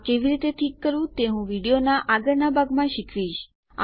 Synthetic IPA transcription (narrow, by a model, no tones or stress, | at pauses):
keʋiɾit̪eʈʰikːəɾũt̪eɦũʋiɽijonaʔaɡəɾnabʱaɡmãʃikʰʋiʃ | a̰